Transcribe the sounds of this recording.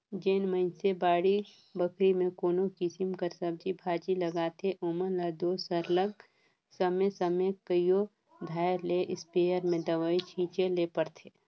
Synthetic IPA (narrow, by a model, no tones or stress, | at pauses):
d͡ʒeːnməɪnsebaːɽi | bəkʰɾimẽkoːnokisɪmkəɾsɐb̚d͡ʒibʱaːd͡ʒilɐɡaːt̪ʰeʔoːməɾlad̪oːsəɾləɡ | səmẽsəmẽkəjo | d̪ʱaːjɾleʔɪspeːjəɾmẽd̪ɐʋəit͡ʃʰĩːt͡ʃeleːpəɾt̪ʰeː